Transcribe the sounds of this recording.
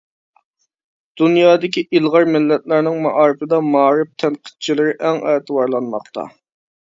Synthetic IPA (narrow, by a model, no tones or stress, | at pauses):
d̪̥unjɑːd̪ɪkʲiʔilˠʁɑɾmɪlːɛt̪̚læɾnɪŋmɑʔɑːɾɨfɪd̪ɑmɑːɾɪp̚t̪ʰɛnqʰə̥t̪̚t͡ʃʰilɪɾɪʔɛŋɛt̪ʰɨwɑɾlˠɑnmɑqt̪ʰɑ̰